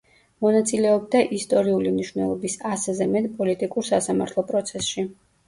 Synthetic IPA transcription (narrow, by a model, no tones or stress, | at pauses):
mɔnat̪sʼilɛɔb̚d̪aʔist̪ʼɔɾiulimniʃvwnɛ̰lˠɔbisaszɛmɛt̪ʼpʼɔlit̪ʼikʼuɾsasamaɾt̪ʰlˠɔpʼɾɔt̪sʰɛsʃi